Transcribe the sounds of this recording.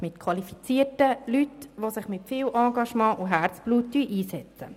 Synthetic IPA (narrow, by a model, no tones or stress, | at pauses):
mɪtkʰʋɑlifit͡siːtəlytʋosɪχmɪtfiːwʔɑːɡɑʃmɑ̃ːʔuɦæːɾt͡sb̥luːtːyʔiːsɛt͡sə̰